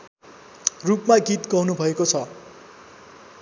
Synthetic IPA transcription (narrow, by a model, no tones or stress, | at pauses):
rupmaɡit̪ɡʌwnubʱʌekot͡sʰʌ